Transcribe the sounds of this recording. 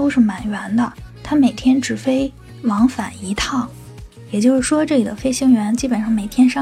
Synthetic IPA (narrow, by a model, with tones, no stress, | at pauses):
to˥ʊʂɻ̩˥˩ma˨˩nɥɛ˧˥nd̪ə˧t̪ʰa˥me˨˩ɪt̪ʰjɛ˥nʈ͡ʂɻ̩˨˩fe˥ɪ | wɑ˧˥ŋfa̰˨˩˦ni˧˥t̪ʰɑ˥˩ŋ | jɛ˨˩t͡ɕjo˥˧ʊʂɻ̩˥˩ʂwɔ˥ʈ͡ʂɤ˥˩li˨˩d̪ə˦fe˥ɪɕi˥ŋɥɛ˧˥nt͡ɕi˥pə˨˩nʂɑ˥˩ŋme˨˩ɪt̪ʰjɛ˥nʂɑ˥